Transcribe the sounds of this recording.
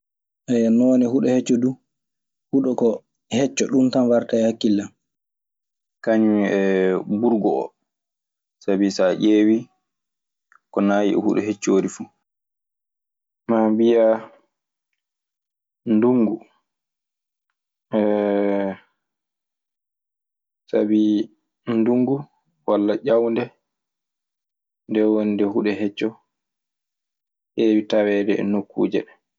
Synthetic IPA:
ʔɛjanɔːnɛhuɗɔhɛt͡ʃːɔdu | huɗɔkɔ | hɛt͡ʃːɔɗumtanwaɾtaɛhakːilːan | kaɲumiɛbuɾɡɔɔ̰ | sabisaʔeːwi | kɔnaːjḭʔɛ̰hṵɗɔɦet͡ʃːoːɾifu | mabija | nduŋɡu | sa̰bi | nduŋɡu | walːaʄawndɛ | ndɛwondɛhuɗɛɦɛt͡ʃːɔ | ʔeːwitawɛːdɛɛ̰nokːṵːd͡ʒɛ̰ɗɛ

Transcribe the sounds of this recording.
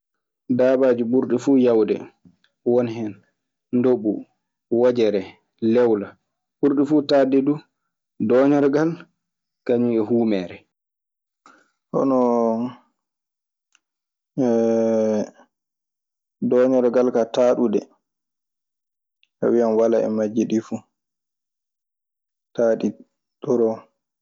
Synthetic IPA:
daːbad͡ʒubuɾɗɛfuːjawdɛ̰ | wɔnɦɛn | ndoɓu | wad͡ʒɛɾɛ | lɛwla | ɓuɾɗɛfuːtadɛdu | dɔːɲɔɾɡal | kaɲuɛɦuːmɛːɾɛ | hɔ̰nɔ | dɔɲɔɾɡalkataːɗudɛ | ka̰wianwalaɛ̰mad͡ʒːiɗifu | taːɗi | ɗɔɾɔ

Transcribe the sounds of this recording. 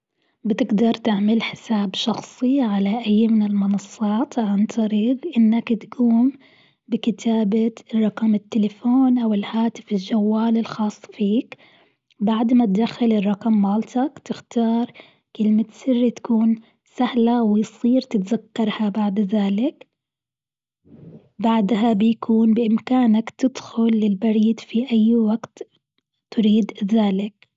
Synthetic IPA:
bɪt̪ɪɡd̪ɑɾˤt̪ɪʕmalħɪ̥saːbʃɑxsˤiʕalaʔajːmɪnɪlmʊnɑsˤːɑːt̪ˤʕant̪ˤʰɑɾiːɣʔɪnːakt̪ɡuːm | bɪkɪt̪ʰaːbarˤːɑqɑmɪt̪ːɪlafoːnʔawɪlhaːt̪ɪfɪld͡ʒawːaːlɪlxɑːsˤːfiːk | baʕd̪mat̪d̪axːalɪrˤːɑqɑmːaːlt̪akt̪ɪxt̪ɑːɾˤ | kɪlmat̪sɪrːit̪ḁkuːn | sahlawɪjsˤiːɾt̪ɪt̪zakːɑɾˤhabaʕd̪ðaːlɪk | baʕd̪ɦabɪjakʰuːnbɪʔɪmkaːnakt̪ɪd̪xʊlːɪlbɑɾiːd̪fiʔajːwaɡt̪ | t̪ʊɾiːd̪ðaːlɪk̚

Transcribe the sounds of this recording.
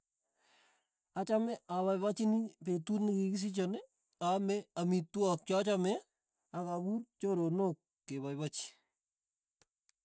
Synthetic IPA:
at͡ʃamɛaβajβat͡ʃinipetutnɪkikis̬it͡ʃɔne | amɛamitwɔk̚t͡ʃɔt͡ʃamɛ | akabuɾt͡ʃoɾonokːeβajbat͡ʃi̥

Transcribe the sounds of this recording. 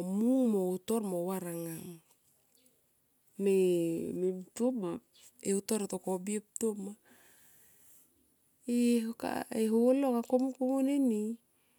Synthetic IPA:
muŋmoutoɾmowaɾaŋaŋ | memeptoma | eutoɾetokobiep̚toma | eɦoka̰eɦoolokakomukomuneni

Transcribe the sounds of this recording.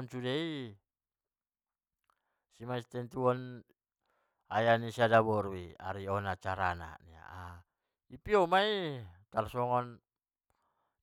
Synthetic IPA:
nt͡ʃudei | simaist̪ɛnt̪uɔn | ajanisiadabɔɾuia̰ɾiɔnat͡ʃaɾana̰nia̰ʔa | ipiɔmait̪arsɔŋɔn

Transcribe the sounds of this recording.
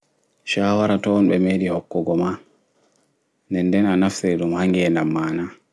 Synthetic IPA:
ʃaːwaɾatɔnɓɛmeːɗihɔkːɔɡɔma | nɛndɛnanaftɛɗumhaŋɡɛɛnamːaːna

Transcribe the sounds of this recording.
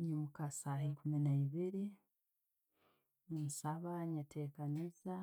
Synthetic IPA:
ɲimukasahikuminaiβiɾi | umusaβaɲatʰe̞ːkaniza

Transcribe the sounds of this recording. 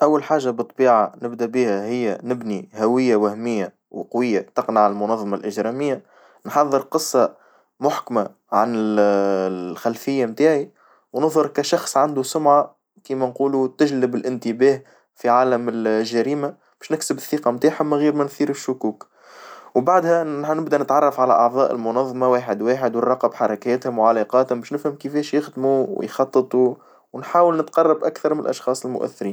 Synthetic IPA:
ʔæwːalħaːʒabɨt̪ˤːbiːʕanɪbd̪æbiːhæhɪjːænɪbnihæwɪjːawæhmɪjːa | wqɑwɪjːat̪ɑqnaʕɪlmʊnɑðˤːɑmɑlʔɪʒɾɑmɪjːa | nħɑðˤːəɾqɨsˤːɑ | mʊħkma | ʕanɪ | xælfɪjːamt̪aːʕi | wnʊðˤhʊɾˤkæʃɑxsˤʕand̪usʊmʕa | kiːmænquːlut̪ɪʒlɪbɪlʔɪnt̪ɪbɛːh | fiʕaːlɪmɪlʒːæɾiːma | b̥ɛːʃnɪksɪbɪθːiːqɑmt̪aːħhʊmːæɣiːɾmænθiːɾɪʃːʊkuːk | wbaʕd̪hænɪbd̪ænɪt̪ʕɑrˤːɑfʕalæʔɑʕðˤɑːʔə̰lmʊnɑðˤːɑmɑwaːħɪd̪waːħɪd̪wərˤːɑqɑbħɑɾˤɑkɛːt̪hʊmwʕalɑqɑːt̪hʊmbɛːʃnɪfhəmkɪfɛːʃjɪxd̪muw̰jxɑt̪ˤːɨt̪ˤu | wnħaːwəlnɪt̪qɑrˤːɑbʔakθɑɾˤmɪnlʔɑ̰ʃxɑːsˤɪlmʊ̰ʔæ̰θːɪɾiːn

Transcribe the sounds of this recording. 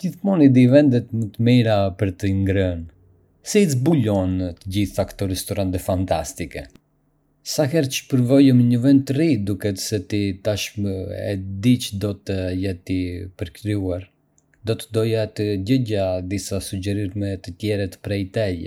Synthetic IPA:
d͡ʒiθmɔnid̪ivɛnd̪ɛt̪mət̪əmiɾapəɾt̪əŋɡɾən | sizbuʎɔnt̪əɟiθakt̪ɔɾɛst̪ɔɾant̪ɛfant̪ast̪ikɛ̰ | saxɛɾt͡ʃə̥pəɾvɔjəməɲəvɛnd̪̚t̪ːərid̪ukɛt̪sɛt̪it̪aʃməɛ̰d̪it͡ʃd̪ɔt̪əjɛt̪ipəɾkɾiuaɾ | d̪ɔt̪əd̪ɔjat̪əɟəɟad̪isasud͡ʒɛɾiɾmɛt̪ət̪jɛɾɛt̪pɾɛjt̪ɛjɛ̰

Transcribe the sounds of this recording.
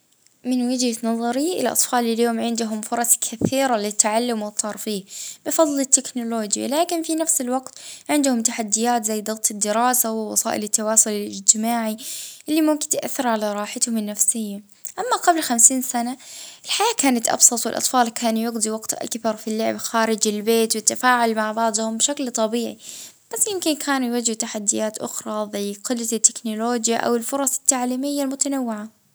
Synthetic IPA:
mɪnwɪd͡ʒhanɑðˤɑɾiʔɪ̰lʔɑ̰t̪ˤfɑːlljoːmʕɪnd̪ʊɦʊmfʊɾˤɑskʰaθiːɾalɪt̪ːaʕalːʊmwɪt̪ˤːɑːɾˤfiːhb̥ɪfɑðˤlɪt̪ːɪknʊloːd͡ʒja̰laːkɪnfinafsɪlwɑɡt̪ʕɪnd̪hʊmt̪aħad̪ːɪjaːt̪zajːd̪ɨɣt̪ˤɨd̪ːɪɾɑːsawɪwɑ̰sˤɑ̰ːʔɪlɪt̪ːawɑːsʊlɪlɪ̰d͡ʒt̪ɪmaːʕiʔɪlːimʊmkɪnt̪ɪʔa̰θːɪɾʕalaɾˤɑːħat̪hʊmɪnːafsɪjːa | ʔamːaɡɑblxamsiːnsanaʔɪlħajaːkaːnat̪ʔɑ̰bsˤɑt̪ˤwɪlʔɑ̰t̪ˤfɑːlkʰaːnjɪɡd̪ˤiwɑɡt̪ʔa̰lkbɑɾˤfilːʊʕɪbxaːɾɪd͡ʒɪlbeːt̪wɪt̪ːafaːʕʊlmaʕbɑʕd̪ˤhʊmbʃaklt̪ˤɑbiːʕib̥asːjɪmkɪnkʰaːnujwad͡ʒhɪt̪aħad̪ːɪjaːt̪ʔʊ̰xɾˤɑðˤiqʊlːaɪt̪ːɪ̥knoloːd͡ʒja̰ʔa̰wɪlfʊɾˤɑsˤɪ̥t̪ːaʕliːmɪjːalmʊt̪anawːɪʕa

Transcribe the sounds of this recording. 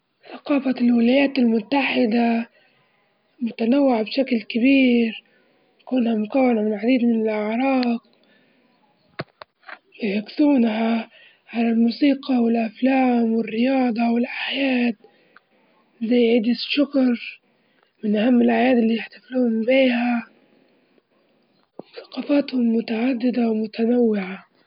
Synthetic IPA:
θaqɑːfalwɪlajaːt̪ɪlmʊt̪ːaħɪd̪a | mʊt̪anawːɪʕbʃaklkɪbiːɾ | jakuːnhamʊkawːanamɪlʕad̪iːd̪mɪnɪlʔaʕɾˤɑːq | bɪħʊksuːnha | ʕalalmuːsiːqɑwɪlʔaflaːmwɪrːɪjɑːd̪ˤɑwɪlʔajaːd̪̚ | zajːʕiːd̪ɪʃːʊkɾ | mɪnʔahamːɪlʕajaːd̪ɪlːiːjɪħt̪ḁfluːhʊmbiːha | θḁqɑfaːt̪hʊmːʊt̪aʕad̪ːɪd̪awmʊt̪anawːɪʕa

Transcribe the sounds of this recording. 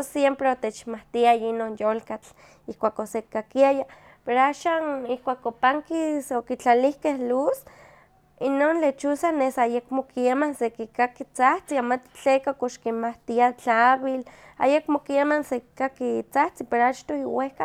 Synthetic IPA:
sjempɾeot̪et͡ʃmaht̪iajainonjolkat͡ɬ | ihkʷaːkosekakiaja | peɾoaʃaːnihkʷaːkopaŋkisokit͡ɬalihkehlus | inonlet͡ʃusanesajekmokiamansekikakit͡saht͡siamat̪t͡ɬekakoʃkinmaht̪iat͡ɬaβil | a̰jekmokiamanseki̥kakit͡saht͡sipeɾoat͡ʃt̪oiwehka

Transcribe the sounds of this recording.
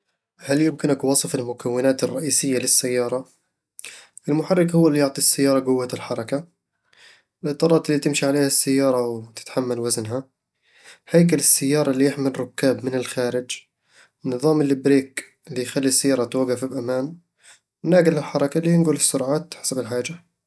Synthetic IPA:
haljʊmkɪnakwɑsˤɨfɪlmʊkawːɪnaːt̪ɪrˤːɑʔiːsɪjːalɪsːajːɑːɾˤɑ | ʔɪlmʊħarːɪkhʊwːalːijʊʕt̪ˤisːajːɑːɾˤɑɡʊwːaɪlħɑɾˤɑka | ɪlʔɨt̪ˤːɑːɾˤɑːt̪ɪlːit̪ɪmʃiʕaleːhasːajːɑːɾˤɑwt̪ɪ̥t̪ħamːalwaznɦa | hajk̬alɪsːajːɑːɾˤɑlːijɪħmɪlrːˤʊkːaːbmɪnɪlxaːɾɪd͡ʒ | wɪnːɨðˤɑːmɪlːɪbɾeːk | ɪlːijxalːisːajːɑːɾˤɑt̪waɣːafɪbʔamaːn | wnaːɡɪlɪlħɑɾˤɑkalːijɪnɡʊlɪsːʊɾˤʕaːt̪ħḁsabɪlħaːd͡ʒa

